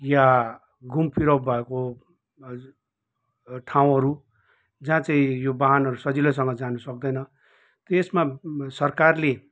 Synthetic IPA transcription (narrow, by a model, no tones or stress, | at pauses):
ja | ɡumpʰiɾʌbbʱʌeko | ʈʰaw̃ɦʌɾu | d͡zãt͡saĩjobaɦanʌɾusʌd͡zilʌs̬ʌŋɡʌd͡zanusʌk̚d̪ʌjnʌ | t̪ʌesmasʌrkarle